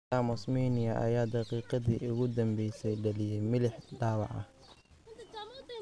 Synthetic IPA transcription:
aːmɔsmiːnɪjɐʔɐ̰jaːd̪ɑqiːqɑðḭːʔʊɣʊd̪ɐmbɛjsɛjɖɐlɪjɛjmɪlɪħɖɑːwɑ̰ʕɐ̰h

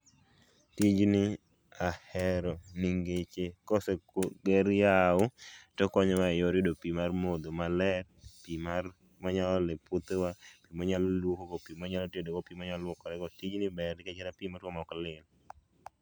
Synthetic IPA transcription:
tid͡ʒnɪ | ahɛɾɔniŋɡet͡ʃekɔsɛɡeɾjaʊtɔkɔɲɔwajoɾidopimarmod̪omalɛrpimar | maɲalɔleput̪ewapimɔɲalolwokokopimɔɲalɔtedokopimɔɲallwɔkɔɾɛkɔtid͡ʒnɪbɛrnɪkɛt͡ʃɛɾapimaɾkɔmɔklɪl

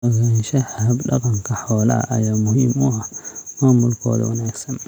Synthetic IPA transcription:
ɣɛnʃɛhhɐbɗɐqɐŋkʰɐħɔːla̰ʔɐjaːmʊhimʊamaːmʊlkʰɔ̰ːð̰wɐ̰naːɡsɐn

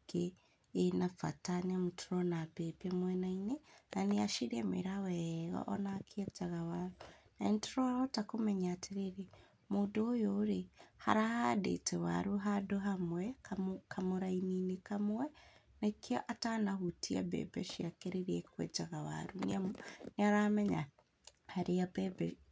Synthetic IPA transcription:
keː | nafa̰tanamutʰuɾɔnabɛpɛmwɛnainenaneaʃiɾiemḭɾawɛɣɔ̰ʔɔnakʰied͡ʒaɣawaɾunaintuɾɔotakomɛɲaːtʰiɾeɾe | muːdoːjoːɾeha̰ɾahadḛtɛwa̰ɾuɦadoɦamwɛkakʰamoɾaininekamwɛ | nekiɔʔatanahutia̰bɛ̰bɛ̰ʃiakeɾeɾiɛkwɛ̰d͡ʒaɣawa̰ɾunniaɾamɛɲa̰ | haɾeabɛbɛ

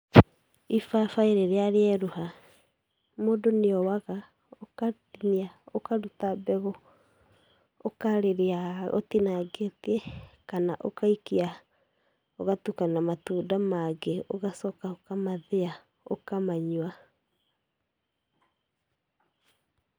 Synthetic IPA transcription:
ifafaiɾeɾeaɾeɛɾuha | moːdoneɔwaɣa | okatiniaokadutabɛɣɔ | okaɾeɾeao̰tinaɡetiɛkanaʔokaikia | oɣatukanamatuːdamaɡeoɣasɔkaokamaðea | o̰kamaɲwa

